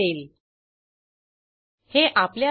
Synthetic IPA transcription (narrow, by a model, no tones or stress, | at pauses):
eːl | heʔaplja